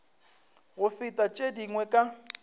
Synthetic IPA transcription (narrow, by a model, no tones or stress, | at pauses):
ɣʊfɪtʼat͡ʃʼediŋwɛkʼa